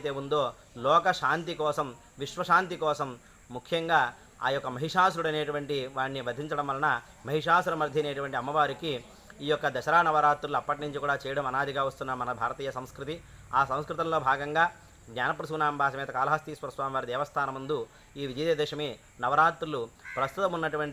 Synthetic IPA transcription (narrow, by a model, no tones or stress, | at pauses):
t̪e̞ːund̪o̞ː | lɔːkɐʃaːnt̪ikɔːsɐm | ʋiʂʋɐʃaːnt̪ikɔːsɐmː | ukʰjɐŋɡaː | a̰ːjɔkːɐmɐɦiʂaːs̬uɾuɽɐneːʈuʋɐɳʈiʋaːnːibɐd̪ʱiɲt͡ʃɐɽɐmʋɐlːɐnɐ | mɐɦiʂaːsulɐmɐɾd̪ʱjɐneːʈuʋɐɳʈiɐmːɐʋaːɾikiː | jɔkːɐd̪ɐʃɐɾaːnɐʋɐɾaːt̪ɾuluɐpːɐʈinuɲt͡ʃikuːɽaːt͡ʃɛːjɐɽɐmɐnaːd̪ʱiɡaːʋɐst̪unːɐmɐnɐbʱaːɾɐt̪iːjɐsɐmskɾut̪iaːsɐ̃mskɾut̪ɐmlo̞ːbʱaːɡɐŋɡaː | ɡɲaːnɐpɾɐsuunaːmbʱaːʃɐmɛːt̪ɐkaːlɐɦɐst̪iːspɐɾsʋaːmʋaːɾid̪ɛːʋɐst̪ʰaːnɐmund̪u | iːʋid͡ʒɐd̪eːd̪ɛːʂɐmi | nɐʋɐɾaːt̪ɾulupɾɐst̪ut̪ɐmunːɐʈuʋɐɳʈ